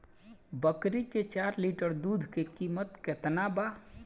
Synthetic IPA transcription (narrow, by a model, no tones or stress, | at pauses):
bəkɾiket͡ʃaɾliʈəɾd̪ud̪ʱkekimət̪ket̪naba